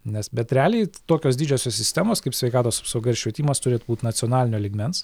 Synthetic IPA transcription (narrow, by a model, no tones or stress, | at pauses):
nʲɛsbʲɛt̪ʲɾʲæːlʲeɪt̪oːkʲoːsd̪ʲiːd͡ʒʲosʲoːssʲɪst̪ʲæmoːskɐɪpsʲʋʲɛɪkɑːt̪oːsɐ̥psɐʊɡɐɪɾʃʲʋʲɛt̪ʲiːmɐst̪ʊɾʲeːt̪ʊbuːt̪nɐt̪sʲɪoːnɑːlʲɪnʲoːlʲiɡmʲɛns